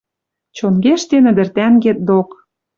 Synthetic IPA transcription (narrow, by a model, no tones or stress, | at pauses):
t͡ɕonɡeʃt̪enɘ̆d̪ɘ̆rt̪ænɡet̪̚d̪ok